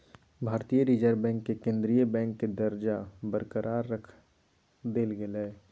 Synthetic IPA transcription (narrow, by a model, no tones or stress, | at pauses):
bʱaːɾt̪ijəɾid͡ʒəɾbɛ̃ːŋkːekẽːnd̪ɾijəbɛ̃ːŋkːed̪əɾd͡ʒabəɾkəɾʔaːɾːəkʰ | d̪eːlɡelɛː